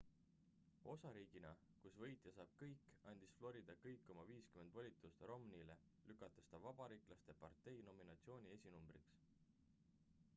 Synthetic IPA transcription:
o̞sɑɾiːɡ̥inɑ | kusvɤ̞jt̪ˑjɑsɑːb̥̚kɤjkːɑnʲd̪̥isflo̞ɾid̪̥ɑkɤjkːo̞mɑviːskyme̞nd̪̥volʲit̪ˑust̪ro̞mnile̞ | lykːˑɑt̪ːˑest̪ɑvɑb̥ɑɾiːklɑst̪epɑrt̪ːˑe̞jno̞minɑt̪sio̞ːnʲie̞sʲinumb̥riks

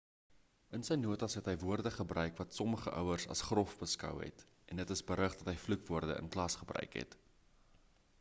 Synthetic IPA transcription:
ənsəjnuətɐsɦɛtɦəjvuərdəχəbrœɥkvɐtsɔməχəʔœwərsɐ̰sχrɔfbəskœ̰wɦɛ̰t | ʔɛndətəsbəɾəχdɐtɦəjflukvuərdəə̰nklɐsχəbrœ̰ɥkɦɛ̰t

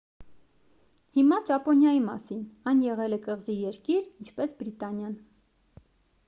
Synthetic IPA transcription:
himɑt͡ʃɑpɔnjɑjimɑ̰sinɑjnjɛʁɛlɛkəʁzijɛɾkiɾint͡ʃʰpɛsbɾit̪ɑnjɑn

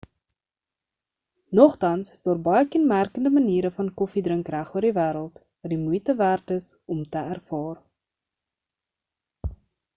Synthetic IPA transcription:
nɔχtɐnsəsdɑːrbɐjəkɛnmærkəndəməniːɾəfɐnkɔfidrəŋkræχuərdivæːɾəlˠt | vɐdimujtəværtəsɔmtəærfɑːr

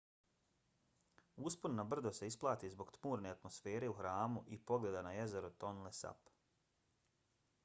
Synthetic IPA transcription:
usponnabr̩d̪ose̞isplˠaːt̪izbo̞ɡt̪muːɾne̞at̪mo̞sfe̞ːɾe̞uxɾaːmuʔipo̞ɡle̞d̪anaje̞ze̞ɾot̪onlesa̰p

